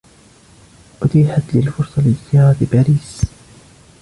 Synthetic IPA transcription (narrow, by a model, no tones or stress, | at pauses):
ʔʊt̪iːħat̪lɪlfʊɾsˤɑlɪzɪjɑːɾˤɑt̪baːɾiːs